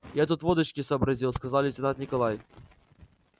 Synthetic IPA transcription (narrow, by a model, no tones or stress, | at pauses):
jat̪̬ut̪vɔd̪əɕkʲɪsɐːbɾɐzʲilˠskɐzalʲɪt͡sʲɪnat̪nʲɪkɐlˠaj